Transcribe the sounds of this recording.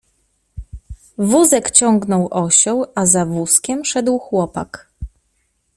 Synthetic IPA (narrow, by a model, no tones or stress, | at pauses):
vuzɛkt͡ɕɔŋɡnɔwʔɔɕɔ̃wazavuskʲɛmʂɛd̪wxwɔpa̰k